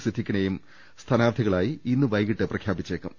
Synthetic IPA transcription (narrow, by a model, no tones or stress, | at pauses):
sʰid̪ʱːikʲːinejum | st̪ʰɐnaːɾd̪ʱiɣɐɭaːjiinːɨʋɐjɣiʈːɨprɐkʰjaːbit͡ɕːeːkːum